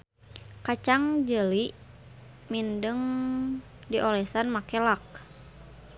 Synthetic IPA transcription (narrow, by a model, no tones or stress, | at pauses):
kat͡ʃaŋd͡ʒəliʔ | mindəŋ | diʔɔlɛsanmakɛlak̚